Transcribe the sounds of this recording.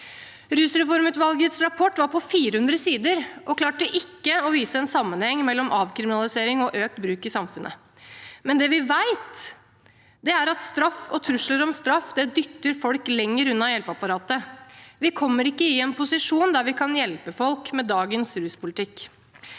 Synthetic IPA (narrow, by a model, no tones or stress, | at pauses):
ɾʉːsɾɛfɔɾmət̪ʋɑlɡət̪sɾɑpʰɔʈːʋɑɾpʰɔfiːɾəhʉnd̪ɾəsiːd̪əɾʔɔkʰlɑːʈəʔɪkːəɔʋiːsəɛnsɑmːənhɛŋːmɛlːɔmʔɑːʋkʰɾɪmɪnɑlɪseːɾɪŋɔʔøːk̚t̪bɾʉːkɪsɑmfʉnʔə̰ | mɛnd̪ɛʋɪʋæɪt̪ | d̪ɛæɾɑt̪st̪ɾɑfɔt̪ʰɾʉʂləɾɔmst̪ɾɑfd̪ɛd̪ʏt̪ːəɾfɔlklɛŋːəɾʉnːɑjɛlpəɑpɑɾɑːt̪əʋɪkʰɔmːəɾɪkːəɪɛnpʰʊsɪʂuːnd̪æɾʋɪkʰɑnjɛlpəfɔlkmɛd̪ɑːɡənsɾʉːspʰʊlɪt̪ʰɪkː